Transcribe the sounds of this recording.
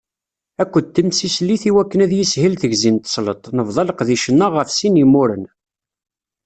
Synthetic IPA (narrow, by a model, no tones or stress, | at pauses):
ækʷːəd̪̚t̪ːəmsislːiθiwækːənæðjisɦilθəʝzint̪ə̥sˤlət̪ˤnəvðˤɑləqðiʃənːaʁəfsinimːʊɾə̰n